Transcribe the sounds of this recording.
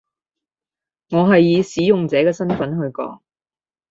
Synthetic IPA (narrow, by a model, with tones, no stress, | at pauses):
ŋɔː˨˧ɦɐ˨jːiː˨˧siː˨˥jʊ˨ŋt͡sɛː˨˥kɛː˧sɐ˥nfɐ˨˥nɦɵ˨˧ɥkɔ̰ː˨˥ŋ